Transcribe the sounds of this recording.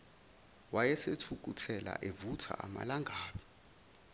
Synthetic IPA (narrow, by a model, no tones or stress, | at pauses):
wajɛsetʰuk̬utʰɛla̰ʔevutʰa̰ʔama̰laŋɡʱaːɓi